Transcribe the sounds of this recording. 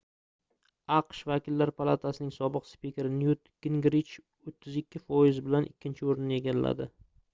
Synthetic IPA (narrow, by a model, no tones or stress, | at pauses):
ɑqʃvakʲɪlːaɾpʰalˠat̪ʰasɪnɪŋsɒbɨqspʲikʲeɾɪnjut̪ɡ̥ʲɪŋɡɾit͡ʃ | ot̪ʰːɪzɪkʲːɪfɒjɪzbɪlanʔɪkʲʰːɪnt͡ʃʰɪoɾɪnɪe̞ɡʲalːa̰d̪ɪ